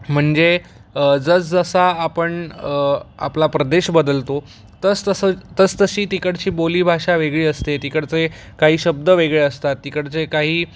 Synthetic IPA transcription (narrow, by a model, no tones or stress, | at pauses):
m̤əɳd͡ze | d͡zət͡sd͡zəsaːpəɳ | a̰plapɾəd̪eɕbəd̪əlt̪o | t̪ət͡st̪əsət̪ət͡st̪əɕiːt̪ikəɽt͡ɕiːboliːbʱaʂaʋeɡɭiːəst̪et̪ikəɽt͡se | kaɦiːɕəb̚d̪əʋeɡɭeəst̪at̪ːikəɽt͡sekaɦiː